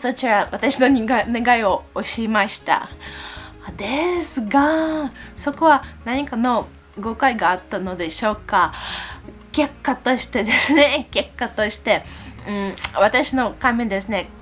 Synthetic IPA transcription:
so̞t͡ɕiɾaβat̪aɕino̞ɲ̟ineɡaio̞oɕiːmaɕi̥t̪a̰ | d̪e̞sɨɡa | so̞ko̞βanaɲ̟ikano̞ | ɡo̞kaiɡaːt̪ːano̞d̪e̞ɕo̞ːka | ke̞kːat̪o̞ɕi̥t̪e̞d̪e̞sɨne̞ke̞kːat̪o̞ɕi̥t̪e̞ɯ̟̃βat̪aɕino̞kãmːẽ̞d̪e̞sɨne̞

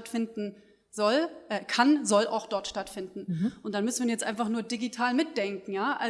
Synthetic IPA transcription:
tfɪndn̩ | zɔlʔɛːkʰanzɔla̰ʊxd̥ɔɐtʃtatfɪndn̩ʔʊntd̥anmʏsn̩viːɐjɛt͡stʔaɪnfaχnuːɐdiɡitʰaːlmɪt̚d̥ɛŋkŋ̩jaːʔa

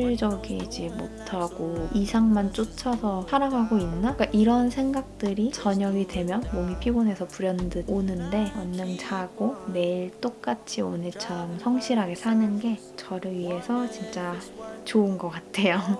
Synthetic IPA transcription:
ɭd͡ʑʌɡid͡ʑimotʰaɡ̥oisʰaŋmant͡ɕ͈ot͡ɕʰʌsʰʌsʰaɾaɡaɡoinːak͈aʔiɾʌnsʰe̞ŋɡak̚t͈ɯɾit͡ɕʌɲʌɡidwe̞mjʌnmoŋipʰiɡone̞sʰʌpuɾjʌndɯonɯnde̞ʌnːɯŋt͡ɕʰaɡ̥one̞iɭt͈ok̚k͈at͡ɕʰio̰nɯt͡ɕʰʌmsʰʌŋɕʰiɾaɡe̞sʰanɯnɡe̞ | t͡ɕʌɾɯɥiɦe̞sʰʌt͡ɕint͡ɕ͈at͡ɕoɯnɡʌk͈atʰe̞jo

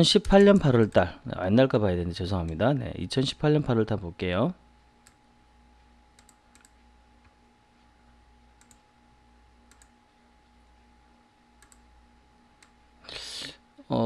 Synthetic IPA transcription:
ʌnɕʰipʰaʎɲʌnpʰaɾʌɭt͈aɭnḛwʔa̰nːaɭk͈abajedendet͡ɕʌsʰʌŋɦamɲidane̞̰ḭt͡ɕʰʌnɕʰi̥pʰːaʎːɲʌnpʰaɾwʌɭt͈aɭbok͈e̞jo | ʌ

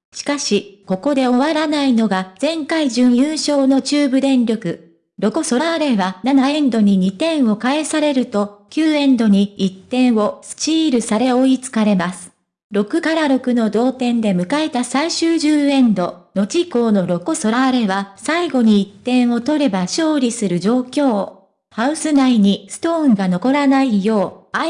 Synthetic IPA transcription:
ɕi̥kaɕiko̞ko̞d̪e̞o̞βaɾanaino̞ɡad͡zẽ̞ŋkaiʑɨ̃ɰ̃jɯ̃ɰ̃ɕo̞ːno̞t͡ɕɨːbɯ̟d̪ẽ̞nɾʲo̞kɯ̟ | ɾo̞ko̞so̞ɾaβaɾe̞βananaẽ̞nd̪o̞ɲ̟iɲ̟it̪ẽ̞ɰ̃o̞kae̞saɾe̞ɾɯ̟t̪o̞kʲɨːẽ̞nd̪o̞ɲ̟iit̪ːẽ̞ɰ̃o̞sɨ̥t͡ɕiːɾɯ̟saɾe̞o̞it͡sɨ̥kaɾe̞masɨ̥ | ɾo̞kɯ̟kaɾaɾo̞kɯ̟no̞d̪o̞ːt̪ẽ̞nd̪e̞mɯ̟kae̞t̪asaiɕɨːʑɨːẽ̞nd̪o̞̰no̞t͡ɕiko̞ːno̞ɾo̞koso̞ɾaɾe̞βasaiɡo̞ɲ̟iit̪ːẽ̞ɰ̃o̞t̪o̞ɾe̞baɕo̞ːɾʲisɨɾɯ̟d͡ʑo̞ːkʲo̞ː | haɯ̟sɨnaiɲ̟isɨ̥t̪o̞ːɯ̃ŋɡano̞ko̞ɾanaijo̞ːa

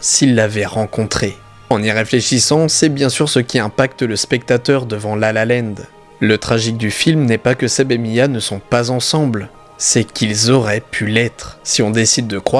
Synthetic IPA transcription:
silːavɛʁɑ̃kɔ̃t̪χe | ɑ̃niʁefleʃisɑ̃sɛbjɛ̃syʁsəkʲiɛ̃pak̚t̪ləspɛk̚t̪at̪œʁd̪əvɑ̃lalalɛ̃nd̪ | lət̪χaʒik̚d̪yfilmnɛpakəsebemijanəsɔ̃pazɑ̃sɑ̃bl | sɛkʲilzɔʁɛpʰylɛt̪χsiɔ̃d̪esid̪̚ːəkχwa

